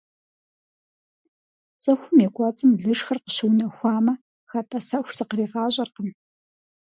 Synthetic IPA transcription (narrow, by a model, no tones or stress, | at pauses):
t͡sʼɐxʷʊmjɛkʷɑt͡sʼɨmɮɨʂxɐrqə̥ɕɨwnɐxʷɑːmɐ | xɐtʰʼɐsɐxʷsɨqəriːʁɑːɕʼɐrqəm